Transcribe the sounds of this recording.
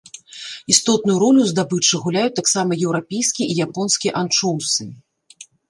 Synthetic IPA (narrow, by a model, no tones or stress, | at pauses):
ist̪ɔt̪̚nujuɾɔlʲuzd̪abɨt͡ʂɨɣulʲajut̪aksamɐjɛwɾapʲejskʲiijapɔnskʲijɛʔant͡ʂɔwsɨ